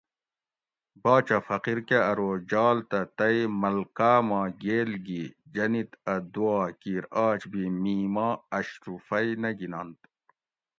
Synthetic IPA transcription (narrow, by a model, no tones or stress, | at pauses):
bɑːt͡ɕɐfɐqiɾkeɐɾoːd͡ʑɑːlt̪ɐt̪ɐimɐlkaːmɑ̃ːɡeːlɡid͡ʑɐnit̪ɐd̪uaːkiːɾaːt͡ɕbimiːmaːɐɕɾufɐjnɐɡinant̪